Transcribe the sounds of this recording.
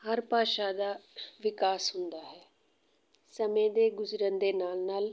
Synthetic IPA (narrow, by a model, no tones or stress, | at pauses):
həɾpaːʃaːd̪aːʋɪkaːsɦʊnd̪aːɦɛː | səmẽd̪eːɡʊzɾənd̪eːnaːlnaːl